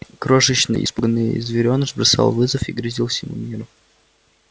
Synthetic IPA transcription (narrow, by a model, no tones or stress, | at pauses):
kɾoʂɨɕnɨ̰jʔɪ̰spɡnːɨjḭzvʲɪɾʲo̞nəʐbɾɐsɑ̰lˠvɨzəfiɡɾʲɪzʲilˠfsʲɪmṵmʲiɾʊ